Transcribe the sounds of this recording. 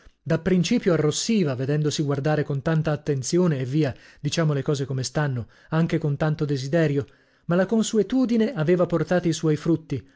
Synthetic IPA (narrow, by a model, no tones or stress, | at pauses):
d̪apːɾint͡ʃiːpjoarːosːiːvaved̪ɛnd̪osiɡward̪aːɾekont̪ant̪aːt̪ːent̪sjoːneːvːiːad̪it͡ʃaːmolekɔːzekomest̪anːo | aŋk̟ekont̪ant̪od̪ezid̪ɛːɾjo | malakonsuet̪uːd̪ineaveːvaport̪aːt̪oiswɔjfɾut̪ːi